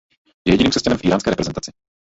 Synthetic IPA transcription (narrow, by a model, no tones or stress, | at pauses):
jɛjɛɟɪniːmsɛscanɛmfʔiːɾaːnskɛːɾɛpɾɛzɛnt̪at͡sɪ